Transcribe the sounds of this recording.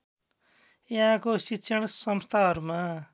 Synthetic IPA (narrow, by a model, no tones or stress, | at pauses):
jãɦãkositːsʰʌɽ̃sʌmst̪ʰaɦʌɾuma